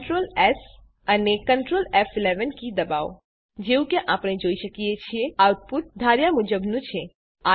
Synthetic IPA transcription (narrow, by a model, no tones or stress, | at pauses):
ʈɾoːlɛs | ənekə̃ɳʈɾoːlɛfɪleʋənkid̪əba̰ːʋ | d͡ʒeũkẽʔaːpɽ̃ed͡ʒoːiʃəkiet͡ʃʰieawʈ̚pʊt̪̚d̪ʱaɾjamʊd͡ʒəbnũt͡ʃʰe | a